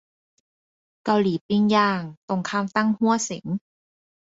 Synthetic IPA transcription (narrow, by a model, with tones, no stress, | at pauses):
ka˧˩wliː˩˦pi˧ŋjaː˧˩ŋt̪o˧˩ŋkʰaː˧˥˩mt̪a˥˩ŋhu˥˩əsi˨˩˦ŋ